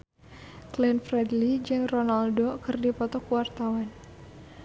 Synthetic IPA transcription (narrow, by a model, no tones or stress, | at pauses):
klɛnfrɛdlid͡ʒɨŋronaldokɨrdipɔt̪ɔkuwart̪awan